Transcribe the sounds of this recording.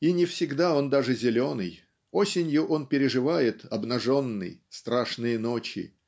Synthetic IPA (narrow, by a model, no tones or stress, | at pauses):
inʲɪfsʲɪɡd̪ao̞nd̪aʐɨzʲɪlʲo̞nɨj | o̞sʲɪnʲjʊʔo̞npʲɪɾʲɪʐɨvajɪt̪ɐbnɐʐo̞nːɨ̰jst̪ɾaʂnɨjəno̞t͡ɕɪ̰